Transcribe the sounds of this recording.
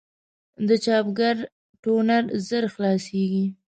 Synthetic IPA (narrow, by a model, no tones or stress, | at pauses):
d̪ət͡ʃɑpɡaɾ | ʈonaɾzəɾxlɑseɡi